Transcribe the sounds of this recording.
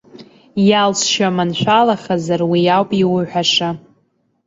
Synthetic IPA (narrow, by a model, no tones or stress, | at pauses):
jalsʃamanʃʷᶣalaχazarwijawpʼiwʊħʷᶣaʂa